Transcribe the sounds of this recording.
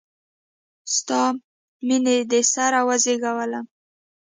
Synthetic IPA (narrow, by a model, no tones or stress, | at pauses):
st̪ɑ | mined̪esaɾawazeɡawala